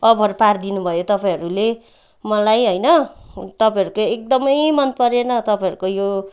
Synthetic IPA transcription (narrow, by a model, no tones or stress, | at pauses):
ʌbʱʌɾupard̪inubʱʌjot̪ʌpaj̃ɦʌɾule | mʌlajɦojnʌt̪ʌpãj̃ʌɾukoek̚d̪ʌmʌjmʌnpʌɾenʌt̪ʌpãj̃ʌɾukojo